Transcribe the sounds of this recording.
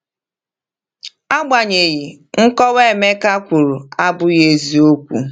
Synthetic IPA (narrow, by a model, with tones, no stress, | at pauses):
a˦ɡ͡ba˨ɲe˨ɣi˨ | ŋ̩˦kɔ˦we˦˨me˦ka˦kʷu˨ɾu˨a˦bʊ˦je˨zi˨o˦kʷṵ˨